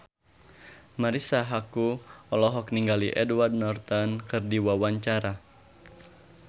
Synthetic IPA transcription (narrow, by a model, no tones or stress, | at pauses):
maɾisaɦakuɔlɔɦɔk̚niŋɡaliʔɛduward̚nɔrt̪ankɨrdiwawaɲt͡ʃaɾa